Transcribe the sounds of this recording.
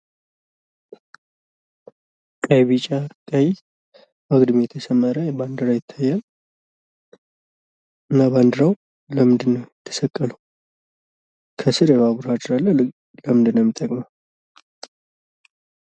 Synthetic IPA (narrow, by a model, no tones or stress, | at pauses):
kʼajβit͡ʃʼakʼaji | aɡd̪mjɛt̪ʰəsəmːəɾəband̪ɨɾajɪt̪ʰːajːal | ʔɨnːaband̪ɨɾaw | ləmɨnd̪ɨnːəwɪt̪ʰːə̥səkʼːələw | kʰəsɨɾjɛβaβuɾhad̪ɨɾalːə | ləmɨnd̪ɨnːəwmːɪt̪ʼːəkʼma